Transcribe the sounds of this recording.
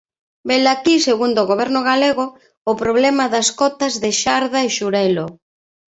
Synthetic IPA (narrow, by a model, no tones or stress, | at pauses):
belakiseɣund̪oɣoβ̞ɛɾnʊɣaleɣʊː | pɾoβ̞lɛmaðɐskɔt̪ɐzðeʃaɾðaeʃuɾɛlo